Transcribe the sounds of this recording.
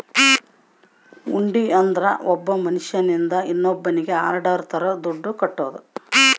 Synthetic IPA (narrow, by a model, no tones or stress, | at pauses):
uɳɖiɐnd̪ɐɾɐ̰ʔɔbːɐmɐniʂjɐnind̪ɐinːobːɐniɡe̞aːɾɖɐɾt̪ʰɐɾɐd̪uɖːukɐʈːoːd̪u